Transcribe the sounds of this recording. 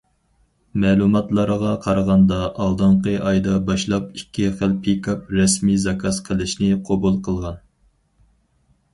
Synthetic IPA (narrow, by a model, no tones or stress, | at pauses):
mɛːlˠumɑt̪lˠɑɾəʁɑqʰɑɾʁɑnd̪ɑʔːlˠd̪ɨɴqəʔɑjd̪ɑbɑʃlˠɑpikʲʰːiχælpʰikʰɑp̚ɾɛsmizɑkʰɑsqʰəlˠɨʃnɪqʰobulˠqʰəlˠʁɑn